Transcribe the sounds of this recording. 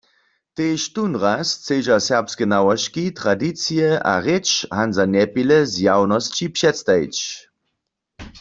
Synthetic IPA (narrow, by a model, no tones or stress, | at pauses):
teːʃtunʁast͡sed͡ʒasɛʁpskɛnawɔʃkitʁadit͡sijɛʔa̰ʁet͡ʃhanzanɛpilɛzjawnɔst͡ʃipʃɛtstaḭt͡ʃ